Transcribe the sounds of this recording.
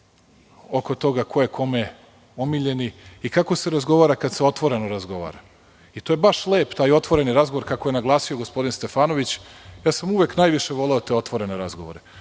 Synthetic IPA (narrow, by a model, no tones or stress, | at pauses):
okot̪o̞ɡakʰo̞jekʰo̞me | omiʎe̞niikako̞se̞ɾazɡo̞ʋaːɾakad̪seo̞t̪ʋo̞ɾe̞noɾazɡo̞ʋa̰ːɾa | it̪oje̞baʃleːpt̪aːjo̞t̪ʋo̞ɾe̞niɾazɡo̞ʋoɾkakoje̞naɡlˠaːsioɡospo̞d̪inst̪e̞faːno̞ʋit͡ɕjaːsamuʋeknaːjʋiʃe̞ʋo̞leot̪e̞o̞t̪ʋo̞ɾe̞neɾazɡoʋo̞ɾe